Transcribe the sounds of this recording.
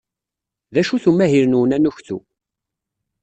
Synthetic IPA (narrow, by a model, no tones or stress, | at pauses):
ðæʃuθumæɦiɾnuwənænuçθṵ